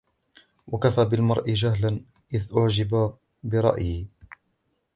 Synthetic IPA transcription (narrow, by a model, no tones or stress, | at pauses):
wʔakafaːbɪlmɑɾˤʔɪd͡ʒaɦlan | ʔɪðʔʊʕd͡ʒɪba | bɪɾˤɑ̰ʔjɪ